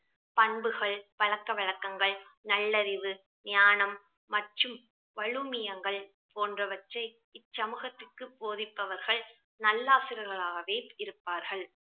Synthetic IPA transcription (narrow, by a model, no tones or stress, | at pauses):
pɐɳbɯɣɐɭpɐɭɐkːɐʋɐɭɐkːɐŋɡɐɭnɐɭːɐɾɪʋɯ | nɪjaːnɐmː | ɐʈrɯm | ʋɐɻɯmɪjɐŋɡɐɭ | poːndrɐʋɐt͡ʃːɐɪ | ɪt͡ʃt͡ʃːɐmɯɣɐt̪ːɯkːɯpːoːðɪpːɐʋɐɾɣɐɭ | nɐlːaːsɪɾɐɾɣɐɭaːɣɐʋeːɪɾɯpːaːɾɣɐɭ